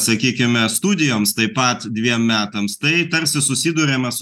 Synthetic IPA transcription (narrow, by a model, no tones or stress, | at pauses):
sɐkʲiːkʲɪmʲɛst̪uːd̪ʲɪjoːmst̪ɐɪpɐˑt̪d̪ʲʋʲiɛmmʲæːt̪ɐmst̪ɐɪt̪ɐɾʲsʲɪsʊsʲiːd̪uːɾʲeːmɐs